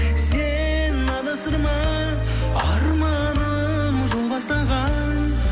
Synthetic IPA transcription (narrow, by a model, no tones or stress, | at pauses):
se | nːɑd̪ɑsəɾmɑ | ɑɾmɑ | nə | mʒolˠbɑst̪ɑʁɑn